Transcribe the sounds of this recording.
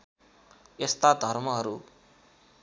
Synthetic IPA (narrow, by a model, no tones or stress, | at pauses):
est̪ad̪ʱʌrmʌɦʌɾu